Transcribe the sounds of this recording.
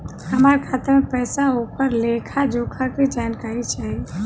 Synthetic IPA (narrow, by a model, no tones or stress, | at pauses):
əmaːɾkʰat̪əɾmẽpɛːsaupəɾlekʰad͡ʒokʰaked͡ʒankaːɾit͡ʃaɦe